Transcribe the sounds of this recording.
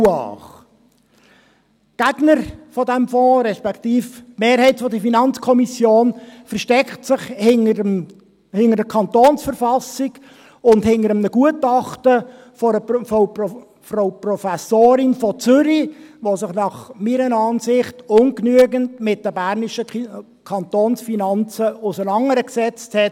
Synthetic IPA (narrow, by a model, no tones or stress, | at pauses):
ɑ̰ːχ | ɡ̥æɡnəɾfɔdɛmfɔ̃ːɾɛʃpɛkχtiːftmeːɾhɛɪtfɔdəfinɑnt͡skʰɔmisjoːnfəɾʃtɛkχtsɪχhɪŋəə | hɪŋəɾdəkʰɑntoːnsfəɾfɑsɪɡ | ʊndhɪnəɾəmnəɡuətɑχtə | fofo | froʊprɔfæsoːɾɪnfɔt͡sʏɾiʋosɪχnɑχmiɾənɑːnsɪχtʊŋknyəɡəntmɪt̚d̥əbærniʃə | kʰɑntoːnsfinɑnt͡səʊsənɑŋəɾəksɛt͡sthɛt